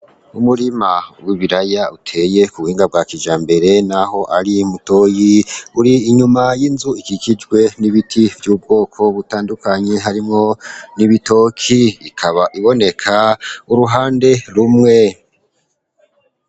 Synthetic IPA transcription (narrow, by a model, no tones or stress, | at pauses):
umuɾimawiβiɾajautʰe̞je̞kuβuhiːŋɡab̚ɡaːkid͡ʒaːmbe̞ɾe̞naho̞ʔaɾimuto̞ːjiuɾiːɲumajinzuikikid͡ʒɡwe̞niβitʰivjuːb̚ɡo̞ːkʰo̞βutaːndukaɲe̞ɦaɾimŋo̞niβito̞kʰiikʰaβaʔiβo̞ne̞kʰauɾuɦaːnde̞ɾumŋe̞